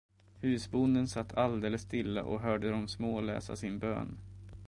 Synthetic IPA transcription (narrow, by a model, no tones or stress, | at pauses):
hʉ̟ːsbʊnd̪ənsat̪ːald̪eːləsːt̪ɪlːa̰ʔɔ̰ɦœːɖəd̪ɔmsmoːlɛ̰ːsa̰sɪnbø̰ːn